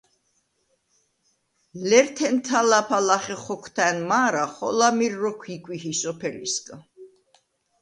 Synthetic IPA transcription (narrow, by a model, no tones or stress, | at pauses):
lɛɾt̪ʰɛnt̪ʰalapʰalaχɛχɔkʰt̪ʰanmaːɾaχɔ̰lamiɾːɔkʷʰikʼwihisɔpʰɛlḭskʼa